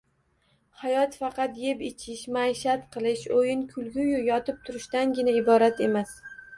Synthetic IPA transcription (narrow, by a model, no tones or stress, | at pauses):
hajɒt̪fɑqɑt̪jepɪt͡ʃʰɪʃmaeʃat̪qʰɨlˠɪʃojɪnkʰʊlˠɡʲʊjʊjɒt̪ʰɪp̚t̪ʰʊɾɪʃt̪anɡʲɪnaɪbɒɾat̪e̞mas